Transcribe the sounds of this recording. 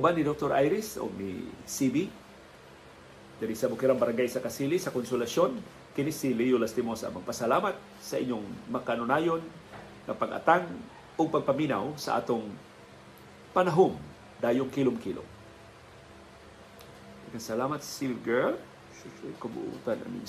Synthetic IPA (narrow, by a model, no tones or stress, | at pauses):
ʔʊbanɪd̪ok̚t̪oɾa̰jɾɪso̰nḭsibi | d̪aɾisɐbʊkɪɾaŋbɐɾaŋɡajsɐkɐsiːlisɐkonsʊlɐso̞n | kɪnisilijʊlast̪ɪmosa̰mɐɡ̚pɐsɐlaːmat̪̚ | sɐʔɪɲːoŋmɐkaʔnʊnaːjon | ŋɐ̰pɐɡʔɐ̰t̪aŋ | ʔoɡ̚pɐɡ̚pɐmina̰wsɐ̰ʔa̰ːt̪oŋ | pɐnɐɦom | d̪aːjʊŋkilomkilʔo̰ | ɪkasɐlaːmɐt̪̚ssilɡɛl | sʊsakɐbʊ̰ʔṵːt̪anɐ̰nɪ̰